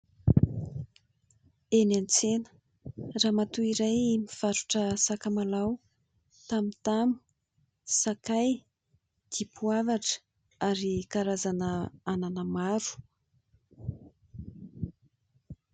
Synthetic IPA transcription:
enant͡senə̥ | raːmat̪uiɾajimiv̥aɾuʈ͡ʂəsakəmalaw | t̪amit̪amu̥ | sakaj | d̪̥ipuavaʈ͡ʂə̥ | aɾikaɾazanəananəmaɾu̥

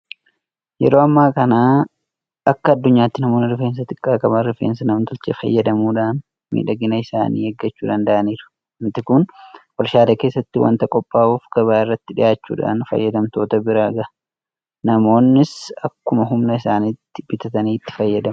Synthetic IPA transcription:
jɛ̰ɾo̞ːɐmːaːkɐnaː | ɐkːɐːd̪ːʊɲːaːt̪ːɪnɐmoːnɪɾɪfeːnsɐt̪ɪkʼːaːkʼɐbɐɾɪfḛːnsɐnɐmt̪ʊlt͡ʃḛfɐ̰jːɐd̪ɐmuːᶑaːn | mḭːᶑɐɡɪnɐɪsa̰ːnḭːɛɡːɐt͡ʃːuːᶑɐnd̪ɐʔɐniːɾʊ̥ | mɪt̪ɪkʊnwɐɾʃaːd̪ɐkeːsːɐt̪ːɪwɐ̰nt̪ɐkʼɔpʼːaːʔuːfɡɐβaːɪrːɐt̪ːɪᶑɪ̰jaːt͡ʃːṵːᶑa̰ːnfɐ̰jːɐd̪ɐmt̪o̞ːt̪ɐbɪɾaːɡɐɐ | nɐmo̞ːnːɪsɐkːʊmɐɦʊmnɐɪsaːniːt̪ːɪbɪt̪ɐt̪ɐniːt̪ːɪ̥fɐjːɐd̪ɐm

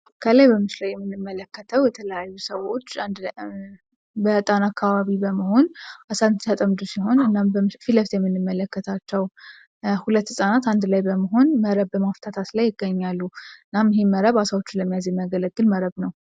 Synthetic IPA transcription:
kʰəlajbəmɨʃlawjɛmːɨnːɨmːələkːət̪ʰəwjɛt̪ʰələjajːusəwo̞t͡ʃːnd̪ | bət̪ʼanakːaβaβibəməho̞nʔasant̪sat̪ʼəmd̪usiɦo̞nɨnːambəfiləft̪jɛmːɨnːɨmːələkːət̪ʰat͡ʃːɛw | hulət̪ːsʼanat̪and̪lajbəməɦo̞nməɾəβəmaft̪ʰat̪ʰat̪lajːɪɡːəɲːalːuɨnːamɦheməɾəβasawo̞t͡ʃːuləmːijazjɛmjaɡələɡːɨlməɾəβnəw

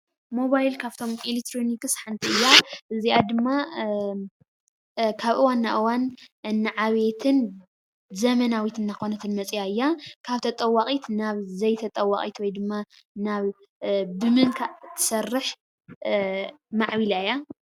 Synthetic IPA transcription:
moβajlkʰaβt̪ʰo̞milek̚t̪ʰɾonikɨsħant̪ʰʼiɨjːaʔɨziad̪ɨmːa | kʰaβʔɨwanːaʔɨwanʔɨnːɨʕaβe̞t̪ʰɨn | zɐmɐnawit̪ʰɨnːakʰonɐt̪ʰɨnmɐt͡sʼijaɨjːakʰaβt̪ʰɐt̪ʼɐwːaχʼit̪ʰnaβzɐjt̪ʰɐt̪ʼɐwːaχʼḭt̪wɔjd̪ɨmːa | naβ | bɨmɨnkʰat̪ʰːɨ̥sɐrːɨħ | maʕβilaja

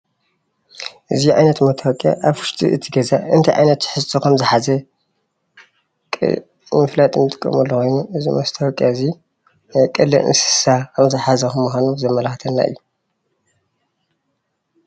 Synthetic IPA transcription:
ʔɨziʕa̰jnɐt̪mɐt̪ʰɐwkʼja̰ʔaβkɨ̥ʃt̪ʰʼḭʔɨt̪ʰiɡɐzaɨnt̪ʰɐjʕa̰jnɐt̪ːħɨzt̪ʰokʰɐmzɨħazɐ | kʼ | mɨflat̪ʼɨnt̪ʼɨ̥kʼːɐ̰mɐlːokʰo̞jnuʔɨzimɐst̪ʰɐwkʼjazi | kʼɨlɨʔɨ̰nsɨ̥sakʰɐmzɨħazɐkɨmuxʷanuzɐmɐlɐxt̪ʰɐnːa̰ʔɨ̰jːu

